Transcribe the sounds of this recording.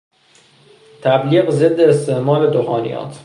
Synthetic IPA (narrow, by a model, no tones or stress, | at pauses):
t̪ʰæbliːɣze̞d̪ːeːst̪ʰe̞hmɒːɾe̞d̪oxɒːnḭjɒ̰ːt̪ʰ